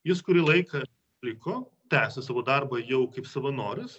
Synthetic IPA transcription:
jɪskʊɾʲiːlˠɐɪkɐ | lʲɪkoː | t̪ʲæːsʲɪsɑːʋoːd̪ɐrbɐjɛʊkɐɪpsɐʋɐnoːɾʲɪs

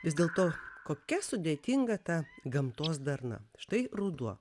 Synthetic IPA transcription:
ʋʲɪsd̪ʲeːlˠt̪oːkoːkʲɛsʊd̪ʲeːt̪ʲiŋɡɐt̪ɐɡɐmt̪oːsd̪ɐrnɐ̰ʃt̪ɐɪrud̪uɔ

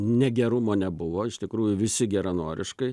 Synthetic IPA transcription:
nʲɛɡʲɛɾʊmoːnʲɛbʊʋoːɪʃt̪ʲɪkɾuːjʊʋʲɪsʲɪɡʲɛɾɐnoːɾʲʔɪʃkɐɪ

